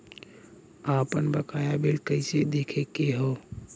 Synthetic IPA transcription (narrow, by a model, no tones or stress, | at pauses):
apənbəkajabelkəɪsed̪ekʰekːeɦo